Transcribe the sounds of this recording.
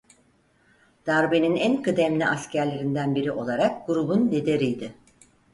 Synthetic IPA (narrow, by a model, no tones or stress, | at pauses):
d̪̥aɾbeninænkɯd̪ɛmlʲiʔascʰæɾlʲe̞ɾind̪ænbiɾiʔo̞lˠaɾak̚ɡuɾubunlʲed̪eɾijd̪ɪ